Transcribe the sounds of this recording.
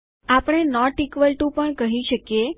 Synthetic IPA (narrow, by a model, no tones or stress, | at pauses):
apɽ̃enɔʈikʋəlʈũpəɳkəɦiʃəkje